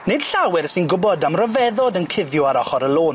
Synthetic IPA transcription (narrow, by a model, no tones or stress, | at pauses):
nɨd̥ɬawɪrsɪnɡʊbɔdamrɔvɛðɔdənkʰɪðjʊaɾɔχɔɾəlˠoːn